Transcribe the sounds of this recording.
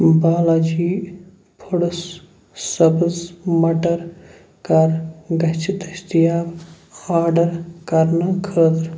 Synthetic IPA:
baːlaːd͡ʒiː | pʰuɽəs | sɐbɨzmɐʈɐɾ | kɐɾɡɐt͡ʃʰit̪ɐst̪ijaːb | aːɖɐɾkɐɾnɐkʰəːd̪ɾ

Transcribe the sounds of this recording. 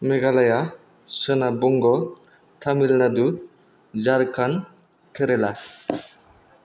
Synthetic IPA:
meɡalaja | sənabɔŋɡɔ | t̪ʰamilnad̪u | d͡ʒaɾkʰan | kʰeɾela

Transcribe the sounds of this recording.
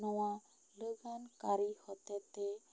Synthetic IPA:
nɔwa | loɡankaɾihɔt̪et̪e

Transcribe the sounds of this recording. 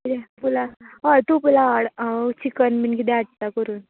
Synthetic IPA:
id̪ɛpulaat̪upulaaɽt͡ɕikənminkid̪ɛaʈ̚t̪akəɾuːn

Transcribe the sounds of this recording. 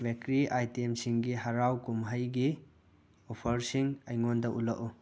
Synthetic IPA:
bekɾiʔajtiemsiŋɡiɦaɾawkumɦajɡi | ɔpʰɐɾsiŋɐjŋondɐʔulaʔu

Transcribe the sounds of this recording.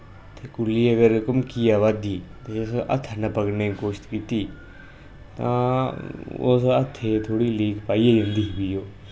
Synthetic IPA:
t̪ʰeːkʊlːiːəɡəɾʊkəmkiːaːʋad̪iːt̪eesʔə̰t̪ʰːnəpəknekoːʃt̪kiːt̪iː | t̪ã̰ː | o̰sət̪ʰːet̪ʰoːɽiːliːkpaːieːd͡ʒə̃nd̪iːbiːjoː

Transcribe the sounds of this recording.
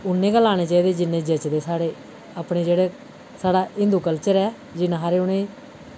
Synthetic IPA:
ʊnːẽːɡəlaːñeːt͡ʃaːiːd̪eːd͡ʒɪnːeːd͡ʒeːt͡ʃd̪eːsaːɽeː | apɳeːd͡ʒeːɽeː | saːɽaːɪ̃nd̪uːkəlt͡ʃəɾɛː | d͡ʒɪnãːɦaːɾeːʊnẽː

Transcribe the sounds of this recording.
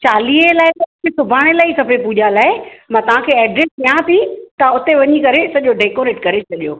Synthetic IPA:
t͡ɕaːlielaːɪt̪ɐʊɪ̃kʰeːsʊbʱaːɽ̃elaːikɐpepuːʄalaːɪmãːt̪ɐʋ̤ãkʰeːɛːɖɾeskijãt̪ʰit̪ɐʊt̪eʋɐɲikɐɾesɐʄoɖeːkoːɾeːʈkɐɾet͡ɕʰɐʄijo̰ː

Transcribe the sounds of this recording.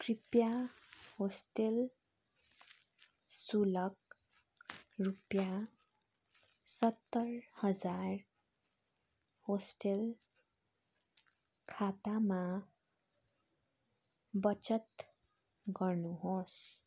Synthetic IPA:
kripjahosʈel | sulʌk | rupja | sʌt̪ːʌrhʌd͡zar | hosʈel | kʰat̪ama | bʌt͡sʌt̪ | ɡʌrnuɦos

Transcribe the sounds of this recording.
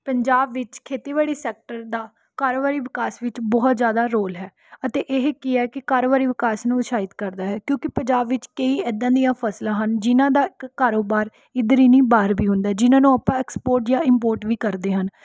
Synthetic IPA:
pəɲd͡ʒaːbʋɪt͡ʃkʰeːt̪iːʋaːɽiːsɛːk̚ʈəɾd̪aː | kaːɾoːbaːɾiːʋɪkaːsʋɪt͡ʃbɔːt̪zjaːd̪aːɾoːlɦɛː | ət̪eːʔɪɦkɪɛːkɪkaːɾoːbaːɾiːʋɪkaːsnũːʃaːɪt̪kəɾd̪aːɦɛːkjõːkɪpəɲd͡ʒaːbʋɪt͡ʃkəiːɛːd̪ãːd̪ijãːpʰəslãːɦənd͡ʒɪnãːd̪aːɪkːaːɾoːbaːɾ | ɪd̪əɾiːniːbaːɾbiːɦʊ̃nd̪aɦɛːd͡ʒɪnãːnũːaːpãːɛːkspoːɾʈjãːɪmpoːɾʈʋiːkəɾd̪eːɦən

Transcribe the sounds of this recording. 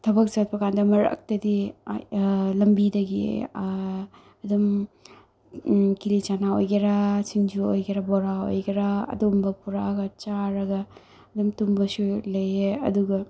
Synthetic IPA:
tʰɐbɐk̚t͡ʃɐt̚pɐkʰandɐmɐɾɐ̰k̚tɐdḭ | lɐmbidɐɡḭ | ɐdum | kilit͡ʃanaojɡiɾɐsiŋd͡ʒuojɡeɾɐboɾao̰jɡiɾɐɐ̰dumbɐpuɾaɡɐt͡ʃaɾɐɡɐ | ɐdumtumbɐsulɐjeɐ̰duɡɐ

